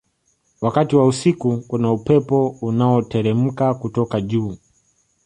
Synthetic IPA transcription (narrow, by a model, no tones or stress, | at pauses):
wakatiwausikukunaupɛpɔunaɔtɛɾɛm̩kakutɔkaʄuː